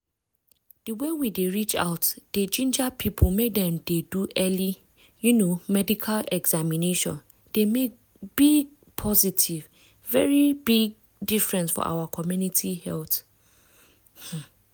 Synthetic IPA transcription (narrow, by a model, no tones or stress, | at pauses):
d̥əwewideɹit͡ʃa̰ʊtd̥ed͡ʒĩnd͡ʒapʰipʰol̩medɛ̃mdeduʔɛli | junomɛdikʰalɛɡz̥amineʃɔ̰̃n | d̥emek̚ | b̥iɡ̚ | pʰɔzitʰiv | vɛɹibiɡ̚ | difɹɛ̃nsfɔ̰ʔa̰wakʰɔmjunitʰihɛlθ | h̩